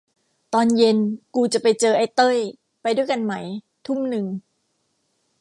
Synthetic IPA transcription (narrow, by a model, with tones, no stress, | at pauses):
t̪ɔː˧nje˧nkuː˧t͡ɕa˨˩pa˧jt͡ɕɤː˧ʔa˧˩jt̪ɤ˥˩j | pa˧jdu˥˩jka˧nma˦˥j | t̪ʰu˥˩mnɯ˧ŋ